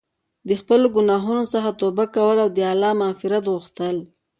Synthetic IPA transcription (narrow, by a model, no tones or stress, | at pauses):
d̪əxpəloɡʊnɑɦunosəxat̪obakawəlawd̪əɑlɑmɑfɪɾat̪ɣuxt̪əl